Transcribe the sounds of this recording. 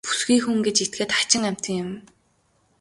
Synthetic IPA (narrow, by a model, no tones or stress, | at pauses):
pu̥sɡiːxuŋɡet͡ɕit̪̚ɡĕːt̪ḁt͡ɕɪ̆ŋam̥ʲt̪ə̆ŋjɪ̆m